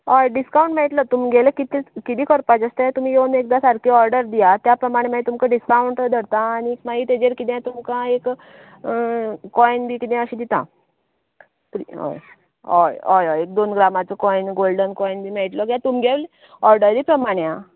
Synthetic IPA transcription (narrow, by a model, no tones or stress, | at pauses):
ɔjɖiskaũɳʈmɛʈ̪lət̪um̤iɡʱelekit̪ekit̪iːkəɾpad͡ʑəst̪əjat̪um̤ijenek̚d̪asaɾkʰiɔɾɖəɾd̪ijat̪japɾəmaɽ̃emait̪umkãɖiskawɳʈd̪ʱəɽt̪ãːñikmaɡiːt̪ed͡ʑeɾkid̪ãt̪umkãek | ɔjnbʱiːkit̪ãəɕĩd̪it̪ã̰ | pɾiɦɔ̰j | ɦɔ̰jɔjɔjek̚d̪onɡɾamat͡sɔkɔjnɡolɖənkɔjnbʱiːmɛʈlɔɡjat̪umɡʱeʋl | ɔɾɖəɾɾiːpɾəmaɽ̃jã